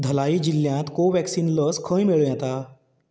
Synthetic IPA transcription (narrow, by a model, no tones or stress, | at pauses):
d̪ʱəlaiːd͡ʑilːjãt̪koʋɛksiːnləskʰə̃jmeɭujãt̪a